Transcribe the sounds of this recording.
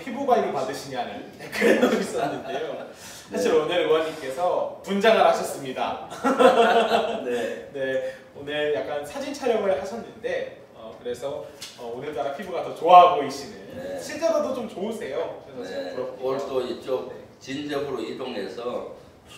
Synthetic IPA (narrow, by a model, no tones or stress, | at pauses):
pʰibubaiɾipadɯɕʰiɲiani | kɯɾedois͈ʌnːɯndejo | sʰaɕʰiɾonɯɾɯwʌɲːik͈e̞sʰʌpund͡ʑaŋɯɭhaɕʰʌs͈ɯmɲida | ne̞ | onɯɭjak̚k͈ansʰad͡ʑint͡ɕʰʌɾjʌŋɯɭhaɕʰʌnːɯnde̞ | ʌkɯɾe̞sʰʌʌonɯɭt͈aɾapʰibuɡatʌt͡ɕoaɦaɡoiɕ͈ʰinɯnɕʰiɭt͡ɕ͈eɾodot͡ɕomt͡ɕoɯsʰe̞joe | ʌɭt͈oit͡ɕom | t͡ɕind͡ʑʌɡɯɾoidoŋe̞sʰʌ